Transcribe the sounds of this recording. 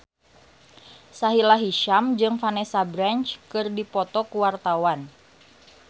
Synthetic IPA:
saɦilaɦiʃamd͡ʒɨŋfanɛsabɾant͡ʃkɨrdipɔt̪ɔkuwart̪awan

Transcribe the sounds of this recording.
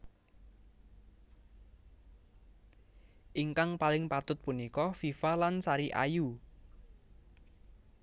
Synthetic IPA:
ʔiŋkaŋpalɪŋpat̪ʊt̪̚punikɔfifalansaɾiʔa̰ju

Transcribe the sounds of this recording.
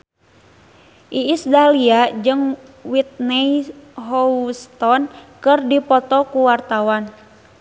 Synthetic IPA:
ʔiːsdaliad͡ʒɨŋwit̪̚nɛjɦɔst̪ɔnkɨrdipɔt̪ɔkuwart̪awan

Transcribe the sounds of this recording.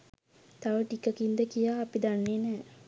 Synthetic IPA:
t̪aʋəʈikəkind̪əkijaːpid̪anːeːnɛː

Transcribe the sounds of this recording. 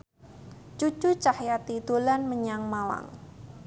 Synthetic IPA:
t͡ʃut͡ʃut͡ʃahjat̪id̪̥o̤lanməɲaŋmawa̰ŋ

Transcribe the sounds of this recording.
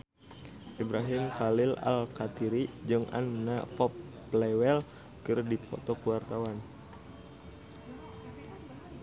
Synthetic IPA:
ʔibɾaɦɪmkalɪla̰lkat̪iɾid͡ʒɨŋʔa̰nːafɔpː | lɛwɛl | kɨrdipʰɔ̰t̪ɔkuwart̪awan

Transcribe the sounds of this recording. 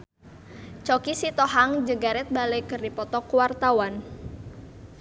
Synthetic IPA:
t͡ʃɔkisit̪ɔɦaŋd͡ʒəɡaɾɛt̪̚balejkərdipɔt̪ɔkuwart̪awan

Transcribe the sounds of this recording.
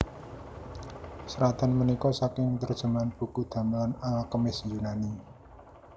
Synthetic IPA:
səɾat̪a̤nmənikɔsakɪŋt̪ərd̥ʒ̥ə̤manb̥ṳkud̪̥a̤mlanalkəmɪsjunani

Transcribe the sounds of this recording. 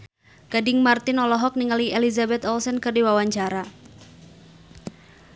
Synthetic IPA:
ɡ̥adɪŋmart̪ɪnɔlɔɦɔk̚niŋaliʔelizabɛt̪ɔlsɛnkɨrdiwawaɲt͡ʃaɾa

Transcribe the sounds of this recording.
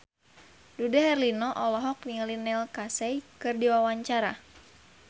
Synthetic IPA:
dudaɦɛrlinɔʔɔlɔɦɔk̚niŋlinɛlkasɛjkɨrdiwawaɲt͡ʃaɾa̰

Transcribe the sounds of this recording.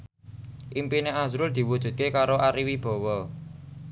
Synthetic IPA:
ʔimpineʔazɾʊld̪̥i̤wud̥ʒ̥ṳt̪̚kekaɾoʔaɾiwib̥ɔ̤wɔ

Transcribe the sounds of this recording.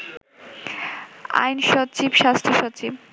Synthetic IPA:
a̰jnʃɔt͡ɕibʃast̪ʰoʃɔt͡ɕib

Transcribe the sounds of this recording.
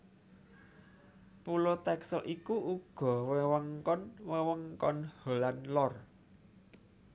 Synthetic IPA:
pulot̪ɛksəlʔikuʔuɡ̥ɔ̤wewəŋkɔnwewəŋkɔnholanlɔr

